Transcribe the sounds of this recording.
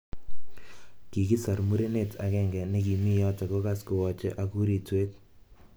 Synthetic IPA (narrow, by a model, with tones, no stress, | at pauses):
ki˨ki˦sa˨rmu˦ɾe˦ne˦tʰa˨kɛ˦ŋɡɛ˨ne˦ki˨mi˦jɔ˦tɔ˨ko˦ka˦skʊ˨wɔ˨t͡ʃɛ̰˦ʔa˦ku˦ɾi˨tweː˦t̚